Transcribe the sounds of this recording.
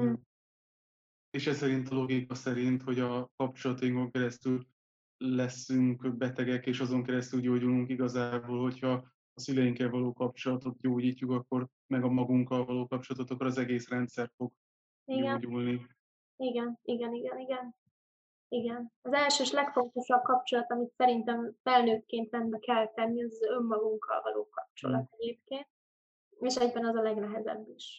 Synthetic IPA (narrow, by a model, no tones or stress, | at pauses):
eːʃɛsɛɾint̪ɒlo̞ɡikɒsɛɾint̪ho̞ɟɒkɒp̚t͡ʃo̞lɒt̪ɒjiŋko̞ŋkɛɾɛst̪yl | lɛsːyŋkbɛt̪ɛɡɛkeːʃɒzo̞ŋkɛɾɛst̪ylɟoːɟuluŋkiɡɒzaːboːlho̞chɒː | sylɛjiŋkɛlvɒloːkɒp̚t͡ʃo̞lɒt̪o̞t̪̚ɟoːɟiːcːukɒkːo̞r | mɛɡɒmɒɡuŋkːɒlvɒloːkɒp̚t͡ʃo̞lɒt̪ot̪ɒkːoɾɒzɛɡeːsrɛnt̪sɛrfo̞ɡ | iɡɛɟulni | iɡɛniɡɛniɡɛniɡɛn | iɡɛnɒzɛlʃøːʃlɛkfo̞nt̪o̞ʃɒb̚kɒp̚t͡ʃo̞lɒt̪ɒmit̪sɛɾint̪ɛɱfɛlːøːt̪keːnt̪ɛnbɛkɛlt̪ɛnːiɒzømːɒɡuŋkʰːɒ̰lvɒ̰lʔo̰ːkɒp̚t͡ʃo̞̰lɒ̰t̪ɛɟeːp̚keːnt̪̚ | eːʃɛɟbɛnɒzɒlɛɡnɛɦɛzɛ̰bːiʃ